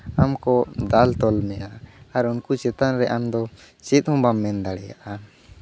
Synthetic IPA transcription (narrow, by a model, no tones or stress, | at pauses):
amkɔd̪alt̪ɔlmɛjaːɾunkut͡ʃɛt̪anɾɛʔamd̪ɔ | t͡ʃɛt̪̚ˀhɔ̃mbamːɛnd̪aɽɛja̰ʔa